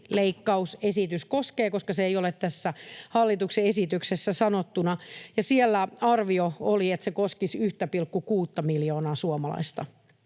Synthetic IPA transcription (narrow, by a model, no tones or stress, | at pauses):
leikːɑusesit̪yskoskeːkoskɑseeijolet̪t̪æsːæhɑlːit̪ukseesit̪yksesːæsɑnot̪ːunɑjɑsielːæɑrʋiooliet̪sekoskisyht̪æpilkːukuːt̪ːɑmiljoːnɑːsuomɑlɑ̰ist̪ɑ